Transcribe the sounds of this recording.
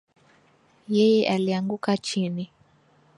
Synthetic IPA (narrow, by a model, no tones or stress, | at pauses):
jɛjɛʔaliaŋɡukat͡ʃini